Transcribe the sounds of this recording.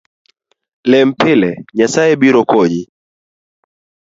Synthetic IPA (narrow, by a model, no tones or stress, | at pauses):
lɛm̩pilɛɲasaɛɓiɾɔkɔɲi